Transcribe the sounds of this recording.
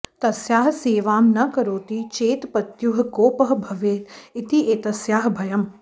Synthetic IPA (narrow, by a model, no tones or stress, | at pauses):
t̪ɐsjaːɦɐseːʋaːmnɐkɐɾoːt̪it͡ʃeːt̪pɐt̪juɦɐkoːpɐɦɐbʱɐʋeːt̪it̪iʔeːt̪ɐsjaːɦɐbʱɐjɐm